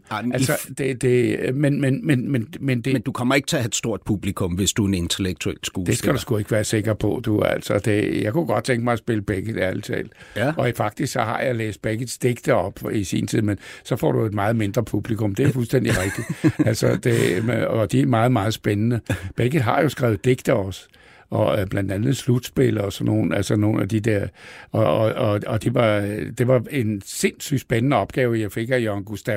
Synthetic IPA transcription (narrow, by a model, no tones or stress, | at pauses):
ælsɒd̥e̝d̥e̝menmenmenmenmend̥end̥ukʰɒm̰ɐeɡ̥t͡sʰe̝ɐɦæd̥sd̥o̝ɐ̰d̥̚pʰub̥likʰɔmʋe̝sd̥uene̝nt͡sʰeleɡ̥̚t͡sʰuel̰sɡ̥oːd̥esɡ̥æɾ̥usɡ̥ue̝ɡ̥əʋæːɐse̝ɡ̥ɐpʰɒ̽d̥uæ̰l̰sɒd̥e̝jäɪkʰuɡ̥ɒ̽d̥̚t͡sʰeŋɡ̥mɑ̈ɪæsb̥e̝ləb̥eɡ̥əð̩ˠiælt͡sʰɛ̰ːl̥ɒ̽ifɑ̈ɡ̥d̥isɡ̥sɒhɑ̈jɑ̈ɪlḛːsd̥̚b̥eɡ̥əð̩ˠsd̥eɡ̥d̥əɒ̽b̥isḭːnt͡sʰið̞̰ˠmensɒ̽fɒ̰ːɾ̥ue̝d̥mɑ̈ːð̩ˠme̝nd̥ʁɐpʰub̥likʰɔmd̥e̝ɐfulsd̥en̰d̥iʁɛɡ̥̚d̥i̥ælsɒd̥e̝d̥iæmɑ̈ːð̩ˠmɑ̈ːð̩ˠsb̥enənəb̥eɡ̥ðˠɦɑ̈jo̝sɡ̥ʁɛ̰ːʊd̥e̝ɡ̥d̥əɒ̽s | ɒ̽b̥lænd̥ænð̞̩ˠslud̥sb̥e̝lɒsɒno̝ːn̩ælsɒno̝ːn̩æd̥id̥eɐ̰ɒɒɒ̽d̥iʋɑ̈d̥e̝ʋɑ̈e̝nse̝nsyd̥sb̥enənəɒ̽b̥ɡ̥ɛːʊjɑ̈ɪfe̝ɡ̥æjoæŋɡ̥usd̥æ